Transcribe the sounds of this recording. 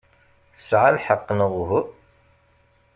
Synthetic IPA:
θə̥sʕalħəqːnəʁʊɦʊ

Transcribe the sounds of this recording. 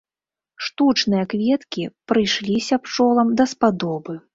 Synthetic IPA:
ʂt̪ut͡ʂnɨjɐkvʲɛt̪kʲipɾɨjʂlʲisʲɐpt͡ʂɔlˠɐmd̪ɐspad̪ɔbɨ

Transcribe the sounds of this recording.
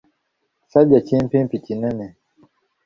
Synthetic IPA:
saʄat͡ʃim̩pĩmpitinɛnɛ

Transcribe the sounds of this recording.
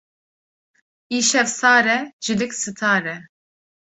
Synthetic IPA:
iːʃɛvsɑːɾɛʒ̥ɨd̪ɨksɨt̪ʰaːɾɛ

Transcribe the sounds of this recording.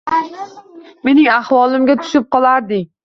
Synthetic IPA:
me̞nɪŋahwɒlˠɪmɡʲat̪ʰʊ̥ʃɪp̚qɒlˠaɾd̪ɪ

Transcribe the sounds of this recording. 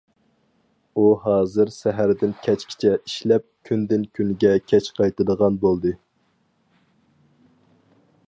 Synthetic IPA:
uɦɑːzɨɾsɛɦæɾd̪ɪnkʲʰɛt͡ʃkʲʰi̥t͡ʃʰɛiʃlɛp̚kʲʰynd̪ɪnkʲʰynɡʲɛkʲʰɛt͡ʃqʰɑjt̪ɨd̪əʁɑnbolˠd̪ɨ

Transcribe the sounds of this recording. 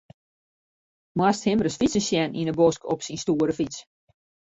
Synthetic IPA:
mwasthɪmərəsfit͡səsjɛnʔḭnəboskɔpsinstuəɾəfit͡s

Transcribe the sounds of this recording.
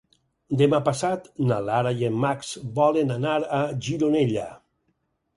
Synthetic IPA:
d̪emapasat̪nalaɾajemmːaksbɔlenanaɾaʒiɾoneʎa̰

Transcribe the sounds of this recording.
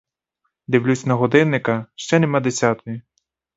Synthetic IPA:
d̪iwlʲusʲnɐɦɔd̪ɪnːɪkɐʃt͡ʃɛnemɑd̪esʲat̪ɔji

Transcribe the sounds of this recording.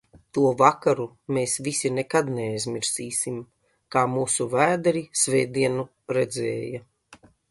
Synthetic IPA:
t̪uɔvakaɾu | meːsvisʲinekad̪neajzmʲiɾsiːsim | kaːmuːsuvæːd̪ɾisveːd̪iɛnu | ɾɛd̪zḛːja

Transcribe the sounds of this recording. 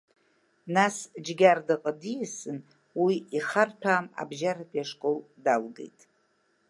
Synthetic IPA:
nasd͡ʒɡʲardɨqʼədijsɨn | wiiχartʰaːma̰bʒaɾatʼjaʂkʼol | dalɡḛjtʼ

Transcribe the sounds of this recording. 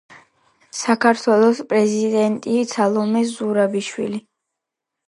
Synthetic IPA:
sakʰaɾt̪ʰwɛlˠɔspʼɾɛzid̪ɛnt̪ʼisʰalˠɔmɛzuɾabiʃwḭli

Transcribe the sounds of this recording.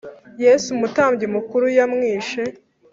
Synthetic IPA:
jesumutaːmbɟemukuɾujamŋiːʃe

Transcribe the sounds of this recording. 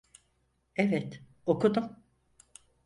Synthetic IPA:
evɛt̪ | okʰud̪um

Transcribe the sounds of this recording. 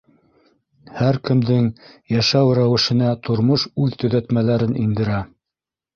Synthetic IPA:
hæɾkɘ̆md̪ɘŋjæʃæwɾæwɘ̆ʃɘ̆næt̪ŏɾmoʃʉðt̪ɵ̆ðæt̪mælæɾɘnind̪ɘ̆ɾæ

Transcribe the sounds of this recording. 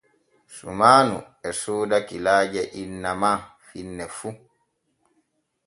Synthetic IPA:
sṵmaːnṵ | ɛsuːdakilaːd͡ʒɛʔinːamafinːɛfu

